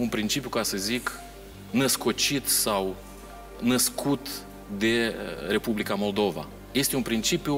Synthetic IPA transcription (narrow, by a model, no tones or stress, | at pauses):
unpɾint͡ʃipjukasəzik | nəsko̞t͡ʃit̪saw | nəskʰut̪ | d̪e̞re̞publikamo̞ld̪o̞va̰ | je̞st̪eunpɾint͡ʃipju